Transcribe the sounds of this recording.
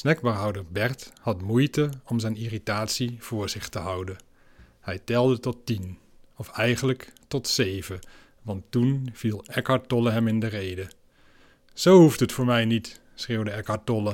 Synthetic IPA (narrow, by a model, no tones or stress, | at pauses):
snɛk̚bəɦɑwdəɹbɛɹthɑtmujtəɔmzɛjniritaːtsiv̥ʊːɹz̥ɪχtəɦʌwdə | hɛjtɛlˠdətɔtin | ɔfɛjχənləktɔtsejvə | ʋɑntːunv̥ilˠɛkɑɹt̚ɔləɦɛmɪndərejdə | z̥owhuftɦətfʊːɹmɛjnit | sreːwdəɛkɑɹt̚ɔlə